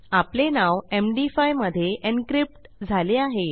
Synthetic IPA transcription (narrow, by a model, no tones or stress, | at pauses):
aplenaʋemɖifajməd̪ʱːjeʔenkɾip̚ʈd͡zʱaleaɦe